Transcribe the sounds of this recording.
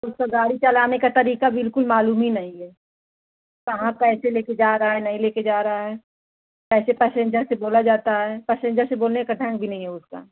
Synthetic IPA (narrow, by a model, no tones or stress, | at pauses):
ʊskaɡaːɽit͡ʃɐlaːnekat̪ɐɾiːkabɪlkʊlmaːluːmɦinɐɦĩɦɛː | ʋɐɦãkɛːseleːked͡ʒaːɾaɦaɦɛnɐɦĩleːked͡ʒaːɾɐɦaɦɛː | kɛːsepɛːsẽnd͡ʒəɾseboːlad͡ʒaːt̪aɦɛpɛːsẽɲd͡ʒəseboːlnekaʈʰɐ̃ŋɡbʱinɐɦĩɦɛʊska̰ː